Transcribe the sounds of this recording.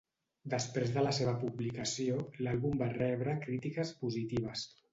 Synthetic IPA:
d̪əspɾezðələseβəpuβlikəsiolalˠβumbarɛβɾəkɾit̪ikəspuzit̪iβ̞əs

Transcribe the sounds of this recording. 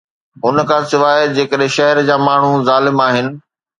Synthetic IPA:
ɦʊnkʰãːsɪʋaːəd͡ʑeːkəɗɦẽʃɐɦəɾd͡ʑaːmaːɳ̤uzaːlɪmaːɦɪnɪ̆

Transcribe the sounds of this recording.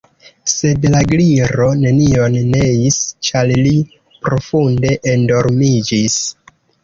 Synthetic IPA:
se̞dlaɡliɾo̞ne̞nio̞nːe̞ist͡ʃalli | pɾo̞funde̞ʔendo̞ɾmid͡ʒis

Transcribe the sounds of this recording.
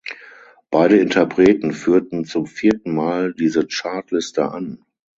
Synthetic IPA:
b̥aɪdəɪntʰɐpʁ̥eːtn̩fyːɐtn̩t͡sʊmfiːɐtn̩maːldiːzət͡ʃaɐtlɪstə̰ʔa̰n

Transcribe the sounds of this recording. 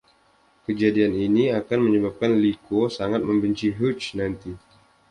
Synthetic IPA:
kəd͡ʒadianiniakanməɲəbap̚kanlikosaŋat̪̚məmbəɲt͡ʃiɦut͡ʃnant̪i

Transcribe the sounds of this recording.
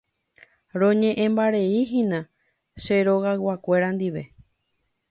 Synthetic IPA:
ɾõɲẽ̞ʔẽmbaɾe̞iɦĩnã | ʃeɾoɣawakʷe̞ɾãnd̪iʋe̞

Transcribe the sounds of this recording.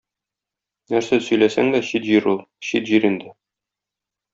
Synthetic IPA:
næɾsæsɵ̆jlæsæŋd̪æɕit̪ʑiɾulˠ | ɕit̪ʑiɾind̪ɘ

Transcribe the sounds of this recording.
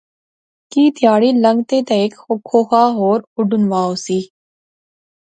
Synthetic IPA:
kiːt̪jaːɽiːlə̃ŋɡt̪eːt̪ɐɪkxokʰoːxaːɦoːɾʊɖʊnʋaːosiː

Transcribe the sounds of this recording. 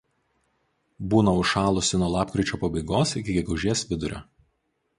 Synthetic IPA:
buːnɐʊʃɑːlˠʊsʲɪnuɔlˠɑːpkɾʲɪt͡ʃʲoːpɐbɐɪɡoːsɪkʲɪɡʲɛɡʊʊʒʲiɛsʋʲɪd̪ʊɾʲo̰

